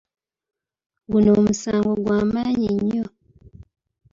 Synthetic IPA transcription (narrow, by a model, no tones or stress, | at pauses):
ɡunoːmusaːŋɡoɡwaːmaːɲiɲːo